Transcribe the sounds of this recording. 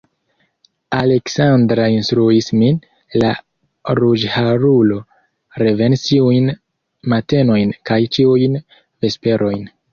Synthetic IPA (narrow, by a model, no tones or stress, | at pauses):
ale̞ksandɾainstɾuismin | la | ɾud͡ʒhaɾulo̞ | ɾe̞ve̞nstiujn | mate̞no̞jnkajt͡ʃiujn | ve̞spe̞ɾʔo̞jn